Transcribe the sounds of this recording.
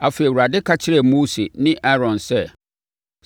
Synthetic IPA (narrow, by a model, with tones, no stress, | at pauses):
a˨fe˨i˨wu˨ɾa˨dɪ˦kʰa˦t͡ɕʰɪ˦ɾɛ˨moː˦sḛ˨nɪ̃˦ʔa˦ɾɔ̃˨nsɛ˦